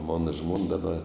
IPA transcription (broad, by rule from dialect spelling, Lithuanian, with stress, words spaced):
ˈmoːnɐ ˈʒmoːn dɐˈbɐ